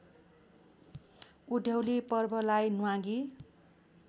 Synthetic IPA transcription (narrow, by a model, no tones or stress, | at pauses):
uɖʱjʌwlipʌrbʱʌlajnuwãɡi